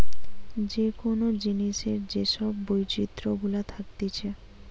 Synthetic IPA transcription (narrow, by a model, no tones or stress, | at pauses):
d͡ʑekonod͡ʑiniʃeɾd͡ʑeʃɔbːojt͡ɕit̪ːɾoɡulat̪ʰak̚t̪et͡ɕʰe